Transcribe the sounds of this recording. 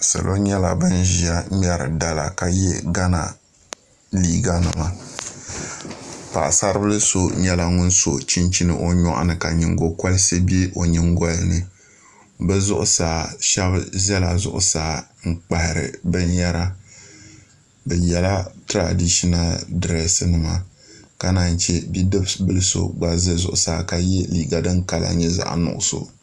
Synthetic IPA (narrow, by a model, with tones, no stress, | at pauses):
sɨ̰˨lʔo˦ɲɛ˦la̰˨bɨ˦n˦ʒi˨a˦m˦ɛ˦ɾɨ̰˨da˨la̰˨ka˨jɛ̰˦ɡa˦na̰˨ | liː˦ɡa˦nɨ˨ma˨ | pa̰˨ʔsa˦ɾɨ˦bɨ˦lɨ˦so˦ɲɛ˦la˦ŋʊ˦n˦so˨t͡ʃi˦nt͡ʃi˦nɨ̰˦˨ʔo˨ɲɔ̰˦ʔa̰˦˨nɨ˨ka˨ɲi˨ŋɡo˨kɔ˦lse˦bi˦e˦ʔo˨ɲi˨ŋɡɔ˦lɨ˦nɨ˨ | bɛ˦zʊ˦ʔʊ˦saː˨ʃɛ˦bzɛ˦la˨zʊ̰˦ʔʊ̰˦saː˨˦ŋ̩˦k͡pa˨hɪ˨ɾɨ̰˨bɨ˦nja˦ɾa˦ | bɛ˨jɛ˨la˦tɨ˦ɾa̰˨di˦ʃi˦na˨dɨ˨ɾɛ˦sɨ˦nɨ˨ma˨ | ka˦na˨n˦t͡ʃɛ˦bi˦dɨ˦bbɨ˦lɨ˦so̰˨ɡ͡ba˨zɨ˦zʊ̰˨ʔʊ˨saː˨˦ka˨jɛ˦liː˨ɡa˨dɨ˦ŋka˦la̰˨ɲɛ˦za̰˨ʔnʊ̰˨ʔʊ˨so̰˨